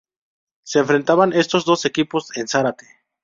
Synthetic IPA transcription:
se̞ːɱfɾe̞nt̪aβane̞st̪o̞zd̪o̞se̞kipo̞se̞nsaɾat̪e

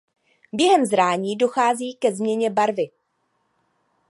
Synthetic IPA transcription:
bjɛɦɛmzɾaːɲiːdo̞xaːziːkɛzmɲɛɲɛbaɾvɪ

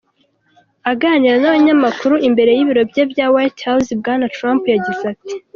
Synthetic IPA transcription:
aɡaːniɾanaβaɲamakuɾuʔimbe̞ɾe̞jiβiɾo̞bjebjawajthawsib̚ɡaːnatɾaːmpujaɟizati̥

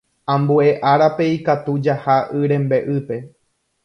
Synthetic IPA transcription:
ãmbue̞ʔaɾape̞ikat̪ud͡ʒahaʔɨɾẽ̞mbe̞ʔɨpe̞

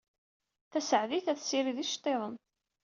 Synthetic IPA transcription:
θæsəʕðiθæθsiɾiðiʃt̪ˤːeðˤən

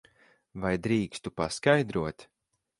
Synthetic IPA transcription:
vajd̪ɾiːkst̪upaskajd̪ɾuɔt̪

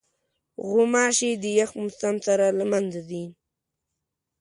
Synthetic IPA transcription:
ɣʊmɑʃed̪əjaxmʊst̪amsaɾalamanzad̪in

